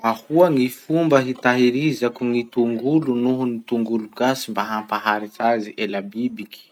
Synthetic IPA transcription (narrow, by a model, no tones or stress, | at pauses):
ahuaŋifumbəɦit̪aɦiɾizakuŋit̪uŋɡulunuɦunit̪uŋɡuluɡasimbaɦampaɦaɾit͡saziʔelabibiki̥